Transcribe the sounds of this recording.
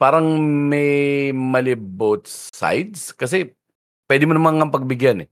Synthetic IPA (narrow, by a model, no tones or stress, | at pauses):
paːɾɐŋmɛjmɐlɪbot̪̚sa̰jd̪skɐs̬ɛ | pwɛːd̪ɪmonɐmaŋɐmpɐɡ̚bɪɡjanɛ